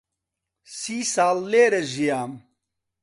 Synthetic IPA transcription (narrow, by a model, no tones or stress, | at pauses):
siːsaːlːeːɾeʑijaːm